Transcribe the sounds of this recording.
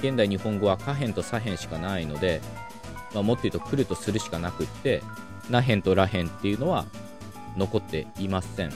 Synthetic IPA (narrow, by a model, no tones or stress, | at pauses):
ɡẽ̞nd̪aiɲ̟ihõ̞ŋɡo̞βakaɦẽ̞nt̪o̞saɦẽ̞ɰ̃ɕi̥kanaino̞d̪e̞ | maːmo̞t̪ːe̞iɯ̟t̪okɯ̟ɾɯ̟t̪o̞sɨɾɯ̟ɕi̥kanakɯ̟t̪ːe̞ | naɦẽnt̪o̞ɾaɦẽ̞nt̪ːe̞jɯ̟no̞βa | no̞ko̞t̪ːe̞̰imasẽ̞ɴ